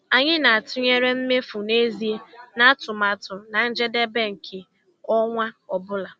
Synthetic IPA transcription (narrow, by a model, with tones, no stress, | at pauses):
a˨ɲɪ˦na˨a˨tʊ˦ɲe˦ɾe˦m̩˦me˦fʊ˨ne˦zi˦e˦na˦a˦tʊ˨ma˨tʊ˨na˨n̩˦d͡ʒe˦de˦be˦ŋ̩˨kʰɪ˨ | ɔ˦ŋʷa˦ɔ˨bʊ˦la˨